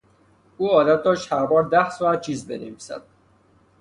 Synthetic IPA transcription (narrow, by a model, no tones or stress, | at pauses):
uːɒːd̪æt̪̚d̪ɒːʃt̪hæɾbɒːɾd̪æhsɔːæt̪̚t͡ʃʰiːzbḛnḛviːsæ̰d̪̥̚